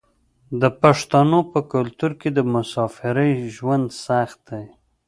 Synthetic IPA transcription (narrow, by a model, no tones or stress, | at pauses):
d̪əpaʂt̪anopəkalt̪uɾked̪əmʊsɑfɪɾəjʒwand̪saxt̪̚d̪aj